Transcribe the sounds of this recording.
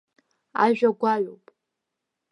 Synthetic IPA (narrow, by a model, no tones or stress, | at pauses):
a̰ʒʷᶣaɡʷaɥʷopʼ